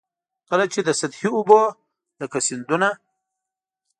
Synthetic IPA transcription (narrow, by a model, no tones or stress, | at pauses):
kəlat͡ʃed̪əsat̪hiʊbo | ləkasɪnd̪una